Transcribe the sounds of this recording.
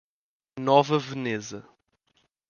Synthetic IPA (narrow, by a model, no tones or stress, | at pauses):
nɔvɐvɨnezɐ